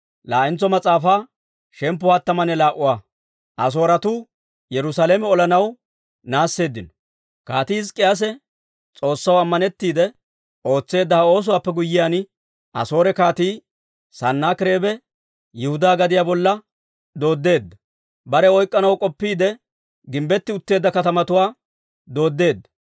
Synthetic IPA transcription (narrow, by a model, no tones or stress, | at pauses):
laːʔɪnt͡sːɔmɐt͡sʼaːfaː | ʃɛmp̬ːʊhat̪ːɐmɐnɛlaːʔʊwaː | ʔɐs̬o̞ːɾɐt̪uː | jɛɾʊsaleːmɛɔlɐnɐw | naːsːe̞ːd̪ːɪnɔ̥ | kaːt̪iɪskʼːɪjaːs̬ɛ | t͡sʼo̞ːsːɐwɐmːɐnɛt̪ːiːd̪ɛ | ʔo̞ːt͡sːe̞ːd̪ːɐhɐo̞ːs̬ʊwaːpːɛɡʊjːɪjaːn | ʔɐ̰so̞ːɾɛkaːt̪iː | sɐnːaːkɪɾe̞ːbɛ | jɛhʊd̪aːɡɐd̪ɪjaːbɔlːɐ | d̪o̞ːd̪ːe̞ːd̪ːɐ | bɐɾɛɔjkʼːɐnɐwkʼɔpːiːd̪ɛ | ɡɪmbɛt̪ːɪʊt̪ːe̞ːd̪ːɐkɐt̪ɐmɐt̪ʊwaː | d̪o̞ːd̪ːe̞ːd̪ːɐ̥